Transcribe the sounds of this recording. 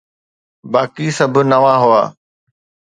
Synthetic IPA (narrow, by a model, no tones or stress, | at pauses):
baːkisɐbʱnɐʋãːɦʊa̰ː